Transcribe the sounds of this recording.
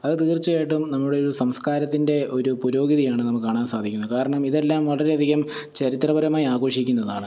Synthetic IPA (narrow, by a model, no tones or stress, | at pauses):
ɐðɨt̪iːrt͡ɕːueːʈːumnɐmːuɽe̞oɾusɐmskaːɾɐt̪ːinde̞ʔo̞ɾupuɾo̞ːɡiðijaːɳɨnɐmːuɭkːaːɳaːnsaːd̪ʱikʲːunːɐkaːɾɐɳɐmiðe̞lːaːmʋɐɭɐɾe̞ɐd̪ʱiɣɐm | t͡ɕɐɾit̪rɐbɐɾɐmaːjaːɣo̞ːʂikʲːunːɐðaːɳɨ